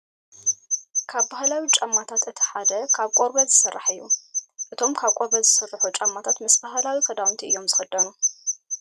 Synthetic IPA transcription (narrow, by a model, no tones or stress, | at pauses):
kʰaβbahlawit͡ʃʼamːat̪ʰat̪ɨt̪ʰi̥ħad̪ɐkʰaβkʼoɾbɐzɨsɐrːa̰ħɨjːuʔɨt̪ʰo̞mkʰaβkʼoɾbɐzɨsɨrːɨħut͡ʃʼamːat̪ʰat̪mɨsbaɦalawikʰɐd̪awnt̪ʰiʔɨjːo̞mzɨxɐd̪ːɐnu